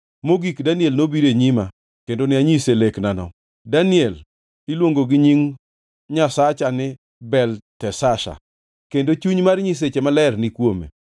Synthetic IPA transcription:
moɡikdaniɛlnobiɾeɲima | kendonɪaɲiseleknanɔ̰ | daniɛl | ilwoŋɡoɡɪɲiŋ | ɲasat͡ʃanɪ | bɛltɛsaʃa̰ | kendot͡ʃuɲmarɲis̬et͡ʃemalɛrnɪkwomḛ

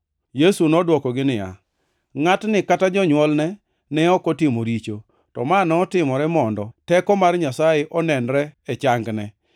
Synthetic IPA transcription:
jesunɔdwɔkɔɡɪnɪja̰ | ŋatnɪkatad͡ʒɔɲwɔlnɛ | nɛɔkɔtɪmoɾit͡ʃo | tɔ̰manɔːtɪmɔɾɛmɔndɔtɛkɔmarɲasajeʔɔnɛnɾɛɛt͡ʃaŋɡnɛ

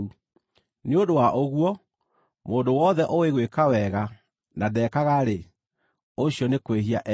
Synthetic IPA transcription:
u | neodowaʔoɣwɔ | moːndowɔðɛʔoweɣwekawɛɣa | nadɛːkaɣaɾe | oɕiɔnekweɦiaʔ

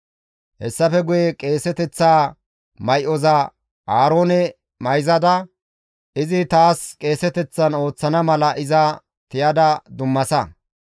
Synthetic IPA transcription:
hɛsːɐfɛɡʊjɛkʼe̞ːsɛt̪ɛt͡sːaː | mɐjʔɔzɐ | ʔaːɾo̞ːnɛ | mɐjzɐd̪ɐ | ʔɪzɪt̪aːskʼe̞ːsɛt̪ɛt͡sːɐno̞ːt͡sːɐnɐmɐlɐʔɪzɐ | t̪ɪjɐd̪ɐd̪ʊmːɐsɐ

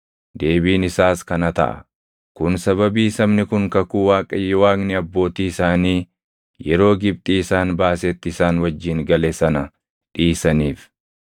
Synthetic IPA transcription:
d̪e̞ːbiːnɪsaːskɐnɐt̪ɐ̰ʔɐ̰ | kʊnsɐβɐbiːsɐmnɪkʊŋkɐkuːwaːkʼɐjːɔwaːknɪɐbːo̞ːt̪iːɪsaːniː | jɛɾo̞ːɡɪb̚t̪ʼiːɪsaːnbaːseːt̪ːɪɪsaːnwɐd͡ʒːɪŋɡɐleːsɐnɐ | ᶑiːsɐniːf

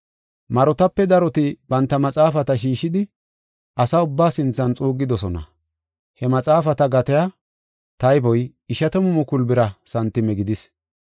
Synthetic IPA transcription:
mɐɾɔt̪ɐpːɛd̪ɐɾɔt̪ɪbɐnt̪ːɐmɐt͡sʼaːfɐt̪ɐʃiːʃːɪd̪ɪ | ʔɐsɐʊbːaːsɪnt͡sːɐnt͡sʼuːɡːɪd̪ɔsɔnɐ̰ | hɛmɐt͡sʼaːfɐt̪ɐɡɐt̪ɛja | t̪ɐjbɔj | ɪʃɐt̪ɔmʊmʊkʊlbɪɾɐsɐnt̪ːɪmɛɡɪd̪ɪs

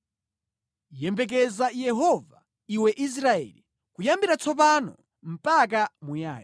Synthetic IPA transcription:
jɛmbɛk̬ɛzajɛɦɔva | iwɛʔis̬ɾaɛ̰ːli | kujambiɾat͡sɔp̬anɔ̰ | m̩pak̬amuja̰ːjɔ

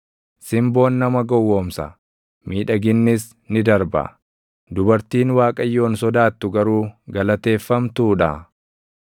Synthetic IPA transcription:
sɪmbo̞ːnːɐmɐɡɔwːoːmsɐ̰ | miːᶑɐɡɪnːɪs | nɪd̪ɐɾbɐ̰ | d̪ʊbɐɾt̪iːnwaːkʼɐjːo̞ːnsɔd̪aːt̪ːʊɡɐɾuːɡɐlɐt̪e̞ːfːɐmt̪uːᶑɐ̰

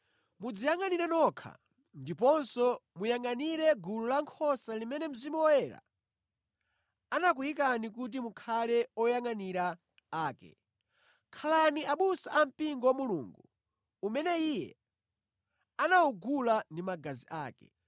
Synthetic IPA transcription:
mud͡zijaŋaniɾɛnɔkʰa̰ | ndipɔnsɔmujaŋaniɾɛɡululaŋkʰɔsalimɛnɛm̩zimuwɔjɛːɾa̰ | anak̬ujikanik̬ut̬imukʰalɛɔjaŋaniɾa | aːkɛ̰ | kʰalaniaɓusaʔam̩piŋɡɔwamuluːŋɡuː | mɛnɛijɛ̰ | anauɡulandimaɡaziʔaːkɛ̰

